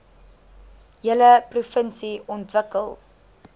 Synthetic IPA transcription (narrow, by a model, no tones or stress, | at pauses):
jələprufənsiɔntvəkəlˠ